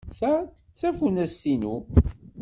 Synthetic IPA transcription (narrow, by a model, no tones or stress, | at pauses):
θætət͡sːæfunæsːinu